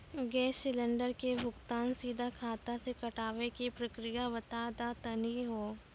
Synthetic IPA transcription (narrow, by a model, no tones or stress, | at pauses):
ɡɛːsɪlə̃ɳɖəɾkebʱʊkt̪aːnsiːd̪ʱakʰaːt̪asekɐʈaːʋekipɾɐkɾɪjaʋɐt̪aːd̪at̪ɐniɦoː